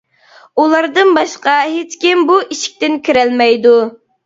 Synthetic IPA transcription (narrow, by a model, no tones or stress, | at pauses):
ulˠɑɾd̪ɨnbɑʃqɑɦet͡ʃkʲɪmbuʔiʃi̥k̚ʲt̪ɪnkʲiɾælmɛjd̪u